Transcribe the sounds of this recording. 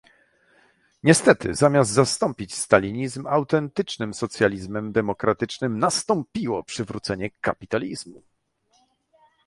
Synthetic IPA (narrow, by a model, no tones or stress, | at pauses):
ɲɛst̪ɛt̪ɘ̰zamʲjazdt̪zast̪ɔmpʲit͡ɕst̪alʲiɲizmawt̪ɛnt̪ɘt͡ʂnɘmsɔt̪sʲjalʲizmɛmd̪ɛmɔkɾat̪ɘt͡ʂnɘmnast̪ɔmpʲiwɔpʂɘvɾut̪sɛɲɛka̰pʲit̪alʲizmu